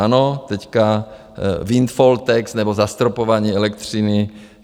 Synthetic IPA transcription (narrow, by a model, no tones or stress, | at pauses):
anot̪ɛcka | vint̪folt̪ɛksnɛbozast̪ɾopovaɲiːɛlɛk̚t̪r̝̥inɪ